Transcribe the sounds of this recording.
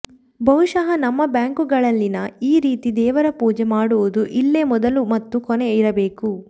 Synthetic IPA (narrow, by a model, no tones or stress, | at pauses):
bʱɐʋuʃɐɦɐnɐmːɐbjaːŋkuɡɐɭɐlːinɐiːɾiːt̪id̪ɛːʋɐɾɐpuːd͡ʒemaːɽuʋud̪uʔilːemɔd̪ɐlumɐt̪ːukɔneiɾɐbe̞ːku